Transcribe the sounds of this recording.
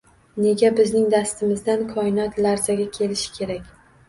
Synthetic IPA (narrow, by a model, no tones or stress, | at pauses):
ne̞ɡʲabɪznɪŋd̪ast̪ɪmɪzd̪ankʰɒɪnɒt̪laɾzaɡʲakʲʰe̞lɪʃɪ̥kʲʰe̞ɾakʲ